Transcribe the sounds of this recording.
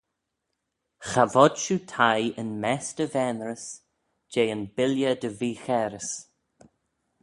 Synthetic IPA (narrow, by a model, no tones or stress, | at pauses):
xavɔd̥ʃuːtʰajənmɛstəvɛnɹəs | d͡ʒeːənbɪljəd̪əviːxɛɾəs